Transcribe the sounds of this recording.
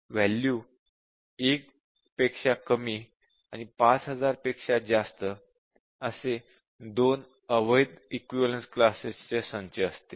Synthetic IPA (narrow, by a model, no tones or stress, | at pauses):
ʋɛljuː | ek̚ | pekʂakəmiː | a̰ñipat͡sɦəd͡zaɾpekʂad͡zast̪ə | əse | d̪on | əʋəjd̪ikʋiʋəlensklasest͡ɕesə̃nt͡ɕeəst̪e